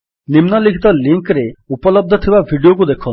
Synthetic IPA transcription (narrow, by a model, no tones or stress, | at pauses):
nimnɔlikʰi̥t̪ɔliŋkɾeupɔlɔb̚d̪ʱɔt̪ʰibabʱiɖiok̬ud̪ekʰɔn